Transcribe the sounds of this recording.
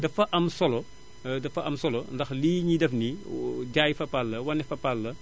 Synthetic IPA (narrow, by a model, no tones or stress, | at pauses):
dɐfːɐʔɐmsɔlɔ | dɐfːɐʔɐmsɔlɔndɐxliːɲidɛfniɟaːjfɐpɐlːɐwɐnːɛfɐpɐlːɐ